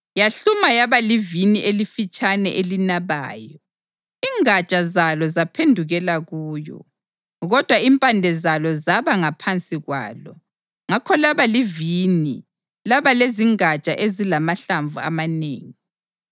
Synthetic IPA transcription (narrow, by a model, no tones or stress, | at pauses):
jaɬumajaβaliviniʔelifit͡ʃʼanɛ̰ʔelinaβa̰ːjɔ | iːŋat͡ʃʼazalɔzapʰendʱuɣɛlaɣuːjɔ̰ | ɣɔd̥ʱwaimpʼandʱɛzalɔzaβaŋapʰant͡sʼiɣwa̰ːlɔ̰ | ŋakʰɔlaβalivini | laβaleziŋat͡ʃʼaʔezilamaɬaɱvua̰manḛːŋi